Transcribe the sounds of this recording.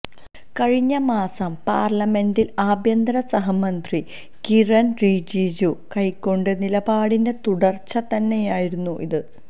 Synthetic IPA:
kɐɻiɲːɐmaːsɐmpa̰ːrlɐme̞ndilaːbʱjɐnd̪ɾɐsɐɦɐmɐnd̪ri | kirɐnriːd͡ʑiːd͡ʑukɐjkːo̞ɳɖɨnilɐbaːɽinde̞t̪uɽɐrt͡ɕːɐt̪ɐnːe̞jaːjiɾunːuʔiðɨ

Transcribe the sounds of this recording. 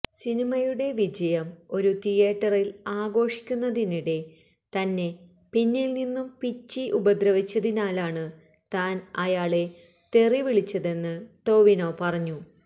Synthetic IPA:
sinimɐjuɽe̞ʋid͡ʑɐjɐmo̞ɾut̪ijeːʈːɐrilaːɡo̞ːʂi̥kʲːunːɐðiniɽe̞ | t̪ɐnːe̞ | pinːilninːumpit͡ɕːiʔubɐd̪ɾɐʋit͡ɕːɐðinaːlaːɳɨ | t̪aːnɐjaːɭe̞ | t̪e̞riʋiɭit͡ɕːɐðe̞nːɨʈo̞ːʋino̞ːpɐrɐɲːu

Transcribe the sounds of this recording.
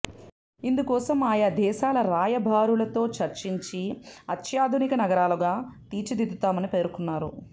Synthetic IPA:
ind̪ukɔːsɐmaːjɐd̪ɛːʃaːlɐɾaːjɐbʱaːɾulɐt̪o̞ːt͡ʃɐɾt͡ʃiɲt͡ʃiɐt̪ʰjaːd̪ʱunikɐnɐɡɐɾaːluɡaːt̪iːt͡ʃɐd̪id̪ut̪aːmɐnipe̞ːɾukunːaːɾu

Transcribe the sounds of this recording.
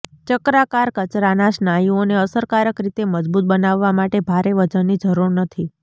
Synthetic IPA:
t͡ʃəkɾakaɾkət͡ʃɾanaʃnajioneəsəɾkaɾəkɾit̪eməd͡ʒbut̪̚bənaʋːamaʈebʱaɾeʋət͡ʃənːid͡ʒəɾuɽnət̪ʰi

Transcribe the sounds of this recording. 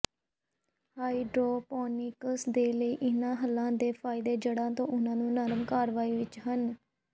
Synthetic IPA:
haːiɖɾoːpɔːniːkəsd̪eːləiːʔɪnãːɦəlːãːd̪eːpʰaːɪd̪eːd͡ʒəɽãːt̪õːʔʊnãːnũːnəɾmkaːɾʋaːiːʋɪt͡ʃɦən

